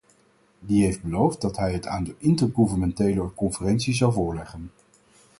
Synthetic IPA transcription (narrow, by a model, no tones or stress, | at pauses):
diɦejfd̚bəlowft̚dɑtɦɛjɦətaːndəʔɪntəɹχuvənmɛntejləkɔnfərɛnsizɑwˠvʊːɹlɛχən